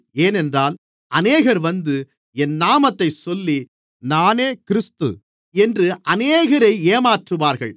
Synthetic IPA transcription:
eːnɛndraːl | ʔɐneːɣɐɾʋɐnd̪ɯ | ɛnːaːmɐt̪ːɐɪsɔlːi | naːneːkɪɾɪst̪ɯ̰ | ɛndrɯʔɐneːɣɐɾɐɪeːmaːʈrɯʋaːɾɣɐɭ

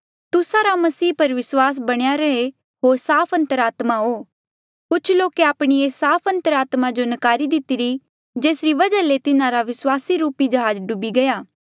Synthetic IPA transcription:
t̪ʊsaɾamɐsiːpɐɾʋɪswaːs̬bɐɽ̃jaɾɐɦe | ɦoːɾsaːpʰɐ̃nt̪əɾaːt̪maɦo | kʊt͡ʃʰloːkeaːpɽ̃iesaːpʰɐ̃nt̪əɾaːt̪mad͡ʒonɐkaːɾid̪ɪt̪iɾi | d͡ʒeːsɾiʋɐd͡ʒalet̪ɪnãɾaʋɪswaːsiɾuːpid͡ʒɐɦaːd͡ʒɖʊbiɡɐjaː

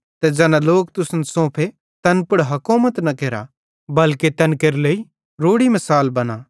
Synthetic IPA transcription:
t̪ɛd͡ʒɛːnãloːk̚t̪ʊsnsõːpʰe | t̪ɐnpʊɽɦɐkoːmət̪nɐkeːɾa̰ | bɐlket̪ɐnkeɾlei | ɾoːɽimɐsaːlbɐnaː

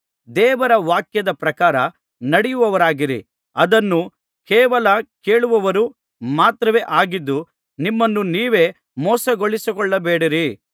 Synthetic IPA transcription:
d̪ɛːʋɐɾɐʋaːkjɐd̪ɐpɾɐkaːɾɐ | nɐɽijuʋɐʋɐɾaːɡiɾḭ | ɐd̪ɐnːu | kɛːʋɐlɐkeːɭuʋɐʋɐɾu | maːt̪ɾɐʋeːʔaːɡid̪ːu | nimːɐnːuniːʋe̞ː | mɔːsɐɡoɭisikɔɭːɐbeːɽiɾi

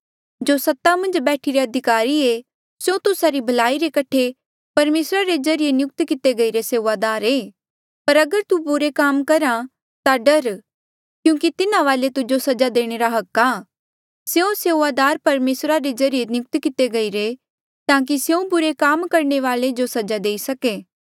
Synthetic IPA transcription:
d͡ʒosɐt̪ːamɐ̃nd͡ʒbɛːʈʰiɾeɐd̪ʱɪkaːɾieː | sjõt̪ʊsaɾibʱɐlaːiɾekɐʈʰe | pɐɾmeːsɾaɾezɐɾijenjʊk̚t̪kɪt̪eɡɐiɾeseːʋaːd̪aːɾeː | pɐɾɐɡəɾt̪ubʊɾekaːmkɐɾa | t̪aɖɐɾ | kjũːkit̪ɪnãʋaːlet̪ʊd͡ʒosɐd͡ʒad̪eːɽ̃eːɾaɦɐkːa | seõseaːd̪aːɾpɐɾmeːsɾaɾezɐɾijenjʊk̚t̪kɪt̪eɡɐiɾe | t̪ãːk̬isjũbʊɾekaːmkɐɾɳeʋaːled͡ʒosɐd͡ʒad̪eːisɐkeː

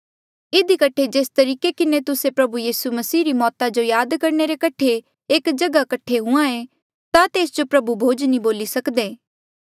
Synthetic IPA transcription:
ɪd̪ikɐʈʰed͡ʒeːst̪ɐɾiːkekɪnet̪ʊsepɾɐbujiːsumɐsiːɾimɔːt̪ad͡ʒojaːd̪kɐɾneɾekɐʈʰe | eːkd͡ʒɐɡakɐʈʰːeɦʊ̃ãe | t̪at̪eːsd͡ʒopɾɐbubʱoːd͡ʒnĩboːlisɐkd̪eː

